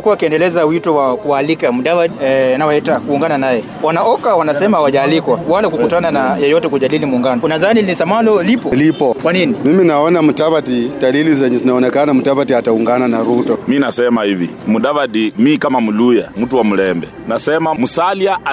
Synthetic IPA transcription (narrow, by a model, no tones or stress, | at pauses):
kuwaːkiɛndɛlɛzawitɔwakuaːlikamuɗavadnawaɛtakuːŋɡananajɛ | wanaʔɔkawanasɛmaawaʄaːlikwawalɛkukutananajɔjɔtɛkuʄalilimuːŋɡanɔunaðaninisamalɔlipɔlipɔkwaninimiminaɔnamutapatidalilizɛɲɛzinaɔnɛkanam̩utapatiatauŋɡananaɾutɔminasɛmahivḭmuɗavaɗimikamamulujam̩tuwamulɛmbɛ̰ | nasɛmamusaliaʔa